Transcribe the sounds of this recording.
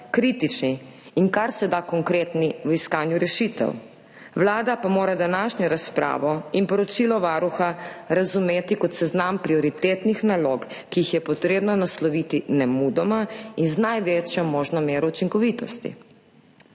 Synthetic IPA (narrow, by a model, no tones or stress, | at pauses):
kɾit̪it͡ʃniːŋkaɾsɛd̪akɔŋkɾet̪niwiskaːnjuɾɛʃit̪ɛ̰w | ʋlaːd̪apamoːɾad̪anaːʃɲɔɾaspɾa̰ːʋɔinpɔɾɔt͡ʃilɔʋaːɾuxaɾazumeːt̪ikɔt̪sɛznampɾiɔɾit̪eːt̪nixnaloːkkiixjɛpɔt̪ɾeːbnɔnaslɔʋit̪inɛmud̪ɔmainznajʋet͡ʃjɔmoːʒnɔmeːɾɔut͡ʃiŋkɔʋit̪ɔst̪ḭ